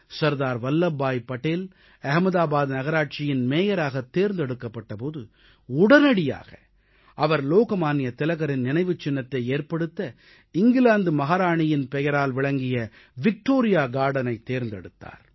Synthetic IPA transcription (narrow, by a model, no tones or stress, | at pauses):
sɐɾðaːɾʋɐlːɐbːaːjpɐʈːeːl | ɐɣɐmɐðaːbaːðnɐɣɐɾaːʈ̚t͡ʃɪjɪnmeːjɐɾaːɣɐt̪ːeːɾnd̪ɛɽɯkːɐpːɐʈːɐpoːðɯ̰ | ʊɽɐnɐɽɪja̰ːɣɐ | ʔɐʋɐɾloːkɐmaːnɪjɐt̪ɪlɐɣɐɾɪnnɪnɐɪʋɯt͡ʃːɪnːɐt̪ːɐɪeːɾpɐɽɯt̪ːɐ | ɪŋɡɪlaːnd̪ɯmɐɣaːɾaːɳɪjɪnpɛjɐɾaːlʋɪɭɐŋɡɪjɐ | ʋɪk̚ʈoːɾɪjaːɡaːɽɐnɐɪt̪ːeːɾnd̪ɛ̰ɽɯt̪ːa̰ːɾ